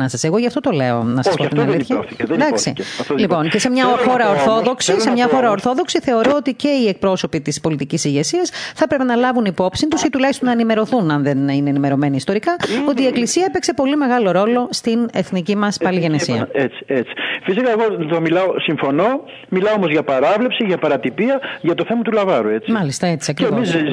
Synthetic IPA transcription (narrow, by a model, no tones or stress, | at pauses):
nɐsɐse̞ɣo̞ʝɐft̪ot̪o̞le̞o̞̰nɐsɐsoft̪tnɐliçɐoθiðd̪ɐksḭolipo̞ncesemɲɐxo̞ɾɐoɾθo̞ðo̞ksisemɲɐxo̞ɾɐo̞ɾθo̞ðo̞ksiθe̞o̞ɾoot̪ice̞iek̚pɾo̞so̞pit̪ispo̞lit̪icisiʝe̞siɐsθɐpɾe̞pe̞nɐlɐvunipo̞psint̪usit̪ulɐçist̪onɐenime̞ɾo̞θunɐnðenineːnime̞ɾo̞me̞niːst̪o̞ɾikɐo̞t̪iːeklisiɐepekse̞po̞lime̞ɣɐlo̞ɾo̞lo̞st̪ine̞θnicimɐspɐliʝe̞nesiɐ̰et͡si̥et͡si̥fisikɐeɣot̪omilɐosiɱfo̞no̞ | milɐoomo̞zʝɐpɐɾɐvlepsiʝɐpɐɾɐt̪ipiɐʝɐt̪oθe̞mɐt̪ulɐvɐɾue̞t͡simɐlist̪ɐet͡siɐkɾiemis